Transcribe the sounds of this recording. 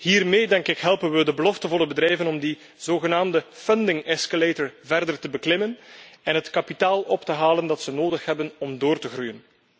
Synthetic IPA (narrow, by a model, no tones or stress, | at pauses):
hiːrmeːdɛŋkɪkɦɛlˠpənʋədəbəlɔftənvɔlˠəbədrɛjvənɔmdi | z̥oːɣənaːmdəfəndɪŋɛskaleːtəɹvɛrdərtəbəklɪmənɛnɦətkɑpitaːlˠɔptəɦaːləndɑtsənoːdəxɦɛbənɔmdoːrtəɣrujən